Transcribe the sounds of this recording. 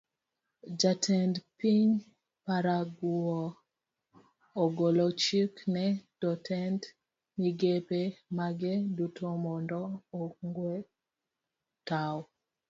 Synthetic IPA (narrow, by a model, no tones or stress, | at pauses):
d͡ʒatʰɛndpiɲ | paɾaɡuɔ | ɔɡolɔt͡ʃiknɛd̥ɔtʰɛnd | niɡepemaɡedutʰomɔndɔːŋɡwe | taw